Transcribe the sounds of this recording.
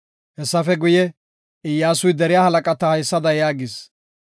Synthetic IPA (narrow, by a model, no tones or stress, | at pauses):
hɛsːɐfɛɡʊjɛ | ɪjːaːsʊjd̪ɛɾɪjaːhɐlɐkʼɐt̪ɐhɐjsːɐd̪ɐjaːɡɪs